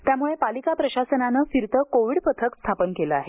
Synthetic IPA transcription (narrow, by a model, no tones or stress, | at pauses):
t̪jamuɭepalikapɾəɕasənanəfiɾt̪əkoʋiɽpət̪ʰəkst̪ʰapənkeləaɦe